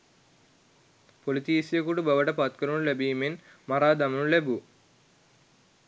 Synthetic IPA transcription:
polit̪iːsijɐkuʈubɐʋɐʈɐpɐt̪̚kɐɾunulebiːmin | mɐɾaːd̪ɐmɐnulebu

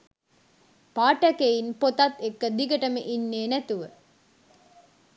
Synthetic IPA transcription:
paːʈəkeinpot̪at̪ːekːəd̪iɡəʈəməʔinːeːnæt̪uʋə

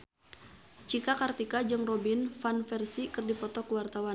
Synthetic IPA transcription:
t͡ʃikakart̪ikad͡ʒɨŋrɔbinfanfɛrsikɨrdipɔt̪ɔkəwart̪awan

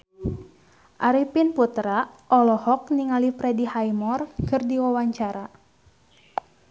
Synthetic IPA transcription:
ʔaɾipinput̪ɾaʔɔlɔhɔk̚niŋalipɾɛdihajmɔrkɨrdiwawaɲt͡ʃaɾa

